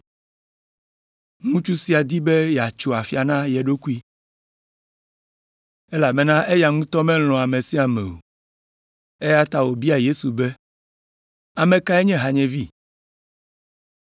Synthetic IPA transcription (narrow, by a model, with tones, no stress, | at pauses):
ŋũ˦t͡ʃu˦si˦a˨d̪i˦be˦jɛ˨a˨t͡ʃo˨a˨fi˦a˨nã˦jɛ˨ɖo˦ku˦i˦ | e˦la˨mɛ˨nã˦ʔe˦ja˨ŋũ˦t̪ɔ˦mɛ̃˦l̃ɔ̃˨a˨me˨si˦a˨mɛ̰˨o̰˨ | e˦ja˦t̪a˦wo˨bi˦a˨je˦su˨be˦ | a˨mẽ˨ka˦e˦ɲɛ̃˦ɦa˨ɲɛ̃˨vi˦˨